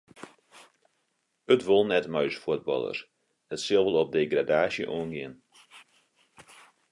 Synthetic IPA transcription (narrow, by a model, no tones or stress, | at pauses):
ətʋolˠnɛtmœɥsfuəd̚bɑ̰lˠə̰r | ətsɪəlˠʋəlˠɔp̚deːɡradaːsjə̰ʔoənɡɪən